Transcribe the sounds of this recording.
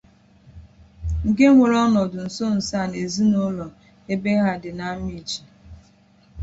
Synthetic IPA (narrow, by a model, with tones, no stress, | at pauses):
ŋ̩˨ke˦ŋʷe˨ɾɔ˦nɔ˨dʊ˨n̩˨so˦n̩˨sa˦˨ne˨zi˦no˦lɔ˨ | e˦be˦ɣa˦˨dɪ˨na˦mi˦˨t͡ʃi̥˨